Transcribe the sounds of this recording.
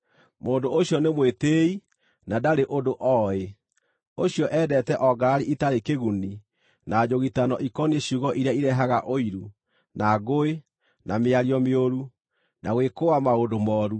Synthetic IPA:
moːndooɕjɔnemwetei | nadaɾeʔodoʔɔe | oɕiɔʔɛːdɛtɛʔɔɡaɾaɾiʔitaɾekeɣuni | nʔad͡ʑoɣitanɔ̰ʔikɔneɕuɣɔʔiɾjaiɾɛɦaɣaʔoiɾu | naɣoe | nameaɾiɔmeoɾu | naɣwekowamaodomɔːɾu

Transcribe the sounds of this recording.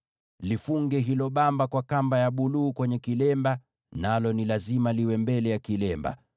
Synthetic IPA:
lifuŋɡɛɦilɔɓambakwakambajaɓuluːkwɛɲɛkilɛmba | nalɔnilazimaliwɛmbɛlɛjakilɛmba̰

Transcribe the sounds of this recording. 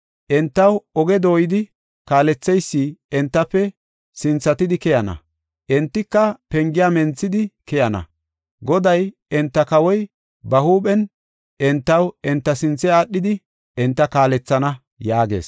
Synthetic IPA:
ʔɛnt̪ːɐwɔɡɛd̪o̞ːjɪd̪ɪ | kaːlɛt͡sːɛjsːiːɛnt̪ːɐpːɛ | sɪnt͡sːɐt̪ɪd̪ɪkɛjɐnɐ̰ | ʔɛnt̪ːɪkːɐpɛŋɡɪjaːmɛnt͡sːɪd̪ɪkɛjɐnɐ̰ | ɡɔd̪ɐj | ɛnt̪ːɐkɐwɔj | bɐhuːɓɛn | ʔɛnt̪ːɐwɛnt̪ːɐsɪnt͡sːɛaːɗːɪd̪ɪ | ɛnt̪ːɐkaːlɛt͡sːɐnɐ | jaːɡe̞̰ːs

